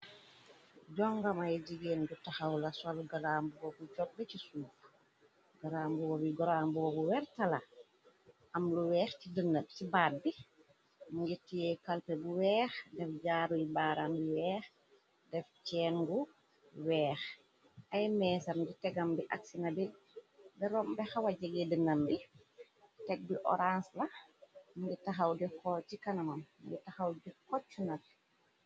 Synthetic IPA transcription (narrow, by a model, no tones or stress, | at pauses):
ɟɔŋɡɐmɐjɟiɡeːndutaxɐwlɐsalɡalaːmbuwɔbuɟɔk̚bɛcisuːf | ɡalaːmbuwɔbiɡɔɾambuwɔbuwɛrtɐla | ʔɐmluwɛːxcidənːət̚tibaːt̚bi | muŋɡitijɛkɐlpɛbuwɛːxdɛfɟaːɾujibaːɾambiwɛːx | dɛft͡ʃɛːnɡu | wɛːx | ʔɐjmɛːsɐmɡitɛɡɐmbiʔaksinɐbi | bɛɾɔmbɛxawɐɟɐɡɛdənːɐmbi | tɛɡ̚biʔɔ̰ɾanslɐmuŋɡitɐxɐwdikɔcikɐnɐmɐmmuŋɡitɐxɐwdikɔt͡ʃːunɐt